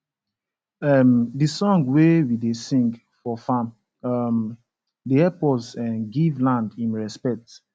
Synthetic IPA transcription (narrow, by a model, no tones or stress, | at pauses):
ɛmdisɔ̃ŋɡwewidesĩŋɡ | fɔfãm | ʌm | deɛpɔzɛ̃nɡivlãndĩnɹɛspɛk̚t